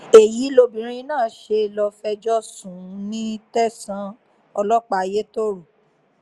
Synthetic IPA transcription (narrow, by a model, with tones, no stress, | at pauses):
e˨ji˨˦lo˧bĩ˨˦ɾ̃ĩ˧nãː˦˨˦ʃe˧˨lɔ˧fɛ˧d͡ʒɔ˦sũ˨˦nĩ˦tɛ˦sã˧˦ | ɔ˧lɔ˦k͡pa˦˨˧je˦to˦ɾo˨